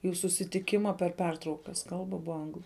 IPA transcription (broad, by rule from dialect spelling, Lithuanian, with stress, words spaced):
juː sʊsʲɪtʲɪˈkʲɪmɐ pʲɛr ˈpʲɛrtrɐʊkɐs ˈkɐlˠbɐ ˈbʊɐ ˈɐŋɡlˠʊ